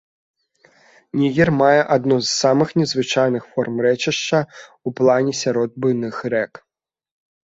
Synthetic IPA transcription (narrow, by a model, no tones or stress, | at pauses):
nʲiɣʲirmajɛʔad̪nuzsamɨxnʲɛzvɨt͡ʂajnɨxfɔrmrɛt͡ʂɨʂt͡ʂɐ | uplˠanʲɛsʲaɾɔd̪̚bɨnɨxɾɛk